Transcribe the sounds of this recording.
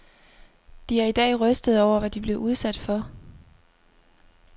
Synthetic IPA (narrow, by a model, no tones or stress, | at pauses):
d̥iæɐid̥ɛ̰ːʁœsd̥əð̞̩ˠɒʊ̰ɐʋæd̥ib̥le̝ʊʔuð̞ˠsæd̥fɒ̽